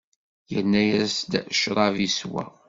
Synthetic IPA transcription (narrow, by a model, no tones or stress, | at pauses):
jənːæjæsd̪ʃɾˤɑviswæ̰